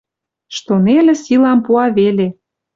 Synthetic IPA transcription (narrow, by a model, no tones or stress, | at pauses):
ʃt̪onelʲĕsilɑmpuɑβele